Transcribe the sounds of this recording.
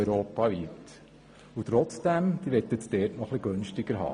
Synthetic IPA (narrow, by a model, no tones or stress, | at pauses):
ʏɾoːpɑʋit | ut̪ɾɔt͡sd̥æmd̥iʋɛtːətsdɛːtnɔχliɡ̥ønʃtɪɡ̥əɾɦɑ̰ː